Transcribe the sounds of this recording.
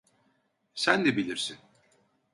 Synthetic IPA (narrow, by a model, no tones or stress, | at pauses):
sænd̪ɛbilʲiɾsin